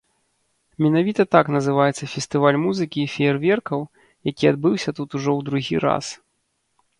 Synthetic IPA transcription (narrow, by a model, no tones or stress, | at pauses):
mʲɛnavʲit̪ɐt̪aknɐzɨvajɛt̪sːɐfʲɛsʲt̪ɨvalʲmuzɨkʲiːfʲɛɛrvʲɛrkɐw | jakʲiad̪̚bɨwsʲɐt̪ut̪uʐɔwd̪ɾuɣʲiɾa̰s